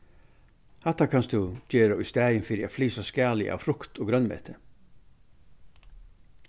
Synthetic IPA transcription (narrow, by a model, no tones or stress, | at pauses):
hɛt̪ːakʰanst̪d̪ʉd͡ʑeːɾaʊst̪ɛːjənfɪɾɪa̰fliːsaskæːlɪ̰ʔa̰ʋfɾʊkt̪ʰoːɡɾœnmɛ̰ːt̪ʰə